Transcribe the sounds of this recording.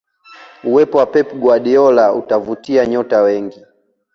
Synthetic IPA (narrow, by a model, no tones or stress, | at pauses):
uwɛpɔwapɛpɡwaɗiɔlautavutiaɲɔtawɛŋɡi